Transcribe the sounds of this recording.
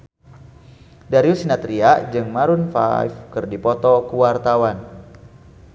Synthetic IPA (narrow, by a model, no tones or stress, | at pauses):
daɾiusinat̪ɾiaʔd͡ʒɨŋmaɾunfa̰jfkɨrdipɔt̪ɔkuwart̪awan